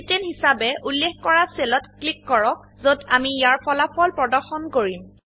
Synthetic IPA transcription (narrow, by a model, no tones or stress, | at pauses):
tɛnhisabɛʔulːexkɔɹaselɔtklikːɔɹɔk̚zodamijaɹpʰɔlapʰɔlpɹɔdɔɹxɔnkoɹim